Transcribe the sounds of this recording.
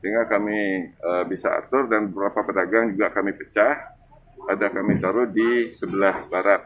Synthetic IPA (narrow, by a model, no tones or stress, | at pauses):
siŋɡaʔkamiəbisaa̰t̪ʊrdanbəbəɾapapədaɡaŋd͡ʒuɡakamipət͡ʃah | adakamit̪aɾʊhdisəbəlahbaɾat̪̚